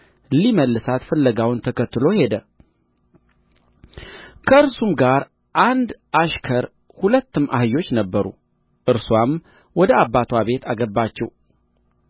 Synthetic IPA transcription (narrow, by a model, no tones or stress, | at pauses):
liməlːɨsat̪fəlːəɡawʊnt̪ʰəkʰət̪ːɨlo̞he̞d̪ə | kʰəɨɾsumɡaɾ | ʔand̪ʔaʃkʰəɾ | hulət̪ːɨmʔa̰hɨjo̞t͡ʃːnəbːəɾṵ | ʔɨɾswam | wɔd̪əabːat̪ʰwaβe̞t̪ʰaɡəbːat͡ʃːɛw